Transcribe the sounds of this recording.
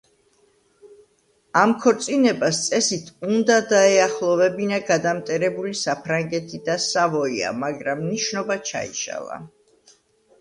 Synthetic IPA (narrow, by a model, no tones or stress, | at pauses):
amkʰɔɾt̪sʼinɛbast̪sʼɛsit̪ʰund̪ad̪aɛaχlˠɔvɛbinaɡad̪amt̪ʼɛɾɛbulisapʰɾaŋɡɛt̪ʰid̪asavɔia̰maɡɾamniʃnɔbat͡ʃʰa̰ḭʃa̰lˠa̰